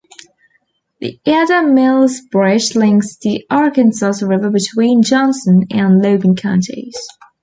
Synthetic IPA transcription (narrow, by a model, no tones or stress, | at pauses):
ðḭʔɛdəmɪlˠzbɹɛʃlɪ̃ŋksðiɑɹəkə̃nsɔsəɹɪvəbɨtʰw̥ĩːnd͡ʒɒ̃nsə̃nə̃nləʊɡə̃nkʰãʊ̃ntʰḭz̥